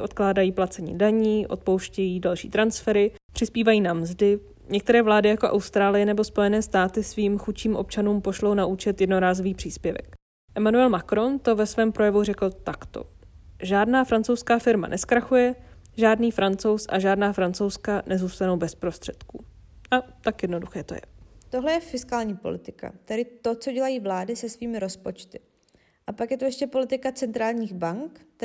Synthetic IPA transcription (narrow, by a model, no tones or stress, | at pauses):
ʔo̞t̪klaːdajiːplat͡sɛɲḭːdaɲiːʔo̞̰t̪̚powʃcɛjiːdalʃḭːt̪ɾansfɛɾɪ | pr̥ɪspiːvajiːnamzdɪ | ɲɛk̚t̪ɛɾɛːvlaːdɪjako̞ʔa̰wst̪ɾaːlɪjɛnɛbo̞spo̞jɛnɛːst̪aːt̪ɪsviːmxut͡ʃiːmʔo̞p̚t͡ʃanuːmpo̞ʃlo̞wnaʔut͡ʃɛt̪jɛdno̞ɾaːzoviːpr̥iːspjɛvɛ̰k | ʔɛmanuɛlmakɾo̞nt̪o̞vɛsvɛːmpɾo̞jɛvurɛkl̩t̪akt̪o̞̰ | ʒaːdnaːfɾant͡sowskaːfɪɾma̰nʔɛskɾaxujɛ | ʒaːdniːfɾant͡so̞wsʔa̰ʒaːdnaːfɾant͡sowskanʔɛzuːst̪anowbɛspɾo̞st̪r̥ɛt̪kṵː | ʔat̪akjɛdno̞duxɛːt̪ojɛ̰t̪oɦlɛjɛfɪskaːlɲiːpolɪt̪ɪka̰t̪ɛdɪt̪o̞t͡so̞ɟɛlajiːvlaːdɪsɛsviːmɪɾo̞spo̞t͡ʃt̪ɪ | ʔapakjɛt̪ojɛʃcɛpo̞lɪt̪ɪkat͡sɛnt̪ɾaːlɲiːxbaŋk̪